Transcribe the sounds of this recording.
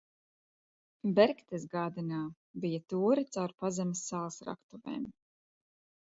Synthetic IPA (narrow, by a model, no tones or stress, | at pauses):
bɛɾkt̪ɛsɡaːd̪inaː | bijat̪uːɾit̪sawɾpazɛmʲisːaːlˠsɾa̰kt̪uvɛ̰ːm